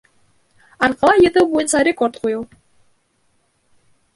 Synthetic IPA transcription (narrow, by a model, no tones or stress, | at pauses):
ɑɾqɑlˠɑjɯ̆t̪ɤwbojɤnsɑɾʲekort̪qujɤlˠ